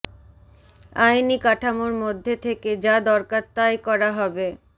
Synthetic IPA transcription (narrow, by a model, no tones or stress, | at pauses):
ajnikaʈʰamoɾmod̪ʱːet̪ʰeked͡ʑad̪ɔɾkaɾt̪ːajkɔɾaɦɔbe